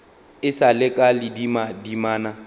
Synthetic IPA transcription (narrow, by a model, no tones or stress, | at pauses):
ɪsalɪkʼalɪdimadimaːna